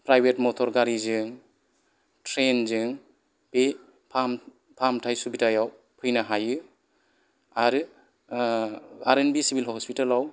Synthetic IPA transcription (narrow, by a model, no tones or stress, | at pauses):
pɾajbʱetmɔtʰɔɾɡaɾizɯŋ | tʰɾenzɯŋ | b̥e | pʰam | pʰamtʰajsubitajaw | pʰɯjnaɦajɯ | aɾɯ | aɾenbisibʱilɦɔɔspitalaw